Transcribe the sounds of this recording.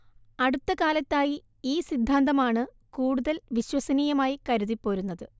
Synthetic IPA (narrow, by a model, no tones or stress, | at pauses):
ɐɽut̪ːɐkaːlɐt̪ːaːji | iːsid̪ʱːaːnd̪ɐmaːɳɨ | kuːɽuðɐlʋiɕwɐsɐniːjɐmaːjikɐɾuðipːo̞ːɾunːɐðɨ